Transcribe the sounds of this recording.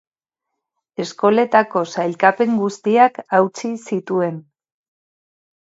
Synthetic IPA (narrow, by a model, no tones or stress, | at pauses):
e̞sko̞le̞t̪ako̞sajlkape̞ŋɡust̪iakawt͡sisit̪ue̞n